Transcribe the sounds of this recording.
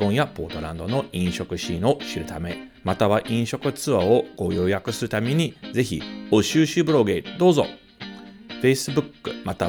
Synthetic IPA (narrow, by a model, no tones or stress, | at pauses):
õ̞ɰ̃japo̞̰ːt̪o̞ɾã̰nd̪o̞no̞ĩɰ̃ɕo̞kɯ̟ɕĩːo̞ɕiɾɯ̟t̪ame̞mat̪aβaʔĩɰ̃ɕo̞kɯ̟t͡sɨβaoɡ̥o̞jo̞ːjakɯ̟sɨɾɯ̟t̪amʲeɲ̟ize̞çḭo̞ɕɨːɕɨbɯɾo̞ɡe̞d̪o̞ːzo̰ | ɸe̞sɨbɯ̟kːɯ̟mat̪a